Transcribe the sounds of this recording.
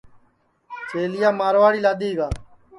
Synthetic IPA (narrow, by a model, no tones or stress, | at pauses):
t͡ʃeːlɪjaːmaːɾʋaːɽiːlaːd̪iːʋaː